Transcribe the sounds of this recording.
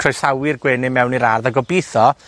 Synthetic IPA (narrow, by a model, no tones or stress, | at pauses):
kʰrɔjsawɪrɡwɛːnɪmɛwniɾarðaɡɔbiθɔ